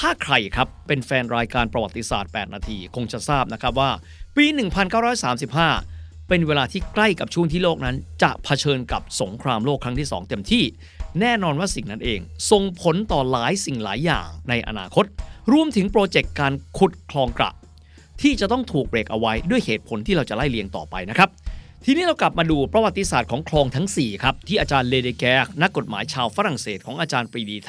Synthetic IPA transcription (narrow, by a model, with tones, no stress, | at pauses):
t̪ʰaː˥˩kʰɾa˨˩jkʰa˦˥pːe˧nfɛː˧nɾaː˧jkaː˧npɾa˧wa˨˩t̪ːi˧sa̰ː˨˩t̪̚pɛː˨˩t̪̚naː˧t̪ʰiː˧kʰo˧ŋt͡ɕa˨˩saː˥˩p̚na˦˥kʰɾp̚waː˥˩ | piː˧nɯ˨˩ŋpʰa˧nkaː˥˩wɾɔː˦˥jsaː˩˦msi˨˩p̚ɦaː˥˩ | pe˧nweː˧laː˧t̪ʰiː˥˩kla˥˩jka˨˩p̚t͡ɕʰu˥˩˨ŋt̪ʰiː˥˩loː˥˩k̚na˦˥nt͡ɕa̰˨˩ʔpʰa˧t͡ɕʰɤː˧nka˨˩p̚so˩˦ŋkʰɾaː˧mloː˥˩kʰːɾa˦˥t̪ʰiː˥˩sɔ̰ː˩˦ŋt̪e˧mt̪ʰiː˥˩ | nɛː˥˩nɔː˧nwaː˥˩si˨˩ŋna˦˥nʔeː˧ŋso˨˩ŋpʰo˩˦nt̪ɔː˨˩laː˩˦jsi˨˩ŋla̰ː˩˦jːa̰ː˨˩ŋna˧jʔa̰˧na̰ː˧kʰo˦˥t̪̚ɾu˧əmt̪ʰɯ˩˦ŋpɾoː˧t͡ɕe˨˩kːaː˧nkʰu˨˩t̪̚kʰlɔː˧ŋkɾa̰˨˩ʔ | t̪ʰiː˥˩t͡ɕa˨˩t̪ɔ˥˩ŋt̪ʰuː˨˩k̚be˨˩k̚ʔa˧wa˦˥jdu˥˩əjheː˨˩t̪̚pʰo˨˩˦nt̪ʰiː˥˩ɾa˧wt͡ɕa˨˩la˥˩jli˧əŋt̪ɔ̰ː˨˩pa̰˧jna˦˥kʰa˦˥p̚t̪ʰi˧niː˦˥ɾa˧wkla˨˩p̚maː˧duː˧pɾa˧wa˨t̪ːi˧saː˨˩t̪̚kʰɔː˩˦ŋkʰlɔː˧ŋt̪ʰa˦˥ŋsiː˨˩kʰɾa˦˥p̚t̪ʰiː˥˩ʔaː˧t͡ɕaː˧nleː˧deː˧kɛː˦˥k̚na˦˥kːo˨˩t̪̚maː˩˦jt͡ɕʰaː˧wfa˦˥ɾa˨˩ŋseː˨˩t̪̚kʰɔː˩˦ŋʔaː˧t͡ɕaː˧npɾiː˧diː˧t̪ʰ